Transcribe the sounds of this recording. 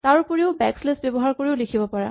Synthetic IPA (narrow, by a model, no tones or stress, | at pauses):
taɹpoɹiʊbɛkslesbjɔbɔɦaɹkoɹiʊlikʰibɔpaɹa̰